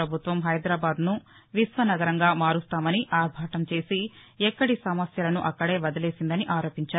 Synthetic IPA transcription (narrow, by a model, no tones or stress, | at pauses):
ɐbʱut̪ʋɐmɦɐjd̪ɾaːbaːd̪nu | ʋisʋɐnɐɡɐɾɐŋɡaːmaːɾust̪aːmɐniʔaːɾbʱaːʈɐmt͡ʃe̞ːsi | ɛkːɐɽisɐmɐsjɐlɐnuʔɐkːɐɽe̞ːʋɐd̪ɐle̞ːsind̪ɐniʔaːɾo̞ːpiɲt͡ʃaːɾu